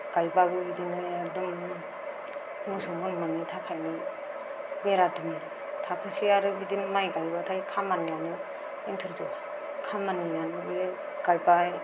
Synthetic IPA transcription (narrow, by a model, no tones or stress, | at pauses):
ɡ̥ajbabɯbidinɯjadum | musɔŋbɯnmanitʰakʰajni | meɾadumi | tʰakʰɯsiaɾɯbidinmajɡajbatʰajkʰamanijanɯ | intʰɯɾzɔa | kʰamanijanɯbe | ɡ̥ajbaj